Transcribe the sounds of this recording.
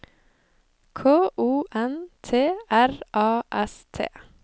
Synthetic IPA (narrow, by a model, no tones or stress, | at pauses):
kʰoːʔuːʔɛnt̪ʰeːæɾʔɑːʔɛst̪ʰḛː